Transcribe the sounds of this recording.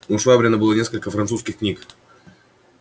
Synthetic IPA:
ʊʂvabɾʲɪnəbɨlˠənʲes̬kəlʲkəfɾɐnt̪suskʲɪxknʲik

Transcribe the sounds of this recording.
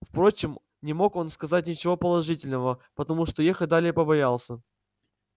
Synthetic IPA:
fpɾo̞t͡ɕɪm | nʲɪmo̞ko̞nskɐzat̚ʲnʲɪt͡ɕɪvo̞pəlˠɐʐɨtʲɪlʲnəvəpət̪ɐmuʂt̪o̞jexət̚ʲd̪alʲɪjəpəbɐjalˠsʲə

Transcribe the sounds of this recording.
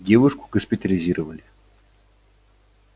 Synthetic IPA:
dʲevʊʂkʊ̥ɡəspʲɪt̪əlʲɪzʲiɾʔəvəlʲɪ

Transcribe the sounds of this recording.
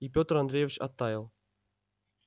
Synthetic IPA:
ipʲot̪rand̪ɾʲejvʲt͡ɕa̰t̪ːɑjəlˠ

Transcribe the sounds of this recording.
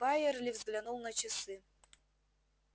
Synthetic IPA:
bajɛrlʲɪvzɡlʲanulˠnɐt͡ɕɪsɨ

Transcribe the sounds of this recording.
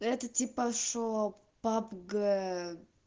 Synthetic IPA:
ɛt̪ət̪ʲipəʂo | papɡə

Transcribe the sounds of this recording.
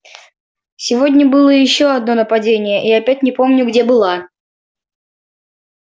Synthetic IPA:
sʲɪvo̞dʲnʲəbɨlˠəjɪɕːo̞ɐd̪no̞nəpɐdʲenʲɪjəʔiɐpʲæt̚ʲnʲɪpo̞mnʲʊɡdʲe̞bɨlˠa

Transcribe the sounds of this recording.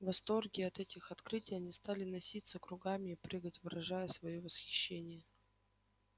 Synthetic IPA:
vɐst̪o̞rɡʲɪɐt̪ɛtʲɪxɐt̪kɾɨtʲɪjɐnʲɪst̪alʲɪnɐsʲit̪səkɾʊɡamʲɪːpɾɨɡətʲvɨɾɐʐajəsvɐjovəsxʲɪ̥ɕːenʲɪjə

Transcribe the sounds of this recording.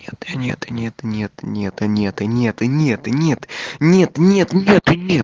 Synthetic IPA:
et̪nʲḛt̪nʲet̪nʲet̪nʲet̪nʲet̪nʲet̪ɨnʲet̪nʲet̪nʲet̪nʲet̪nʲet̪ʊnʲe

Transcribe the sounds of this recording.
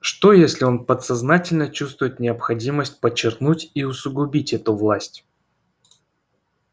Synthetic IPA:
ʂt̪o̞jesʲlʲɪo̞npət̪sɐznatʲɪlʲnət͡ɕust̪vʊjɪt̪nʲɪəpxɐdʲiməsʲt̚ʲpət͡ɕːɪrknutʲiʊsʊɡʊbʲitʲɛt̪ʊvlˠasʲtʲ

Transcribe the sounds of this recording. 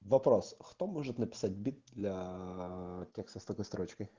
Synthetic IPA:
ʋɐpɾɔsxt̪ɔmɔʒɛt̪ʲnɐpʲɪ̥sat̚ʲbʲit̪̚d̪lʲɐ | tʲɛkst̪ɐst̪ɐkɔst̪ɾʔɔt͡ʃkɐj

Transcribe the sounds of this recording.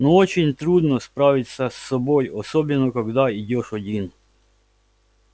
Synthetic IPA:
not͡ʃinʲt̪ɾud̪nɔspɾaʋit̪ʲsasːɔbojɔsɔbɛnɔkaɡd̪aidʲoʃɔd̪ʲin

